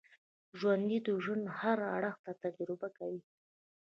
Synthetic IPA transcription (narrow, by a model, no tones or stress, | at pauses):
ʒwand̪id̪uʒənhaɾa̰ɽəxt̪at̪ad͡ʒɾɪbakawi